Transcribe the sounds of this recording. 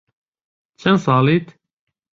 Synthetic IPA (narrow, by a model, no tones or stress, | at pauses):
t͡ʃʰɛnsɑːliːt̪